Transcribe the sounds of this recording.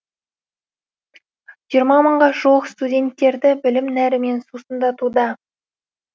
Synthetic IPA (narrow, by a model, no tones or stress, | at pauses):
ʒ̥ijəɾmɑməɴʁɑʒowəqst̪udʲe̞nt̪ːe̞ɾd̪ɪbɪlɪmnæɾɪme̞nsusənd̪ɑt̪ud̪ɑ